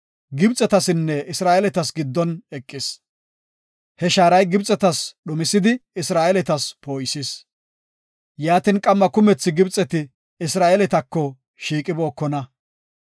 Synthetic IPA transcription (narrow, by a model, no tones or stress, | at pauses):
ɡɪbt͡sʼːɛt̪ɐsɪnːɛɪsɾaːʔɛlɛt̪ɐsɡɪd̪ːɔnɛkʼːɪs | hɛʃaːɾɐjɡɪbt͡sʼːɛt̪ɐsɗʊmɪsɪd̪ɪɪsɾaːʔɛlɛt̪ɐspo̞ːjsɪs | jaːt̪ɪnkʼɐmːɐkʊmɛt͡sːɪɡɪbt͡sʼɛt̪ɪ | ɪsɾaːʔɛlɛt̪ɐkːɔ | ʃiːkʼɪbo̞ːkːɔnɐ